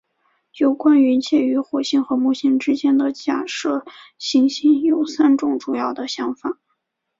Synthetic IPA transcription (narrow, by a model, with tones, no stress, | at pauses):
jo˨˩ʊkwa˥ny˧˥nt͡ɕʰjɛ˥˩y˧˥xwɔ˨˩ɕi˥nxɤ˧˥mu˥˩ɕi˥ŋʈ͡ʂɻ̩˥t͡ɕjɛ˥nd̪ə˨t͡ɕja˥˩ʂɤ˥˩ɕi˧˥ŋɕi˥njo˨˩ʊsa˥nʈ͡ʂʊ˥˩ŋʈ͡ʂu˨˩jɑ˥˩ʊd̪ə˩ɕjɑ˧˥ŋfa˨˩˦